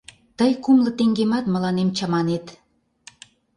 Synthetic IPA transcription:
t̪əjkumlə̆t̪eŋɡemɑt̪mə̆lɑnemt͡ɕɑmɑnet̪

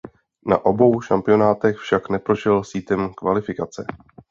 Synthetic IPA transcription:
na̰ʔo̞bo̞wʃampɪjo̞naːt̪ɛxfʃaknɛpɾo̞ʃɛlsiːt̪ɛmkvalɪfɪkat͡sɛ

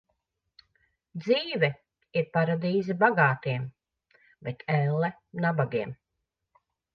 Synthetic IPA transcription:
d̪ziːvɛ | iɾpaɾad̪iːzibaɡaːt̪iɛm | bɛt̪ʰɛlːɛnabaɡiɛm

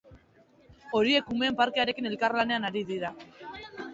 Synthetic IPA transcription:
o̞ɾie̞kume̞ːmpaɾke̞aɾe̞kine̞lkarlane̞anaɾiðiɾa

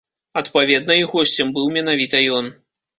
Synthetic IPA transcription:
ɐt̪pavʲɛd̪̚nɐiɣɔsʲt͡sʲɛmbɨwmʲɛnavʲit̪ɐjɔn

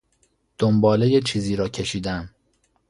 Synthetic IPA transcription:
d̪̥ombɒːlejet͡ʃʰiːziːɾɒːcʰe̞ʃiːd̪æm

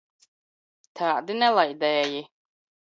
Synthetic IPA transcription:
t̪ʰaːd̪inɛlajd̪ɛji

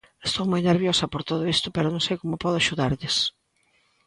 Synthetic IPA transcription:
est̪owmojneɾβjosɐpoɾt̪oðʊist̪ʊpɛɾʊnõŋsejkomʊpɔð̞ʊaʃuðaɾʎɪs

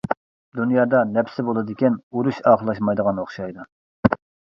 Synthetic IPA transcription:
d̪unjɑːd̪ɑnɛpsɪbolˠɨd̪ɪkʲɛnuɾuʃɑːqəlˠɑʃmɑjd̪əʁɑnoχʃɑjd̪u

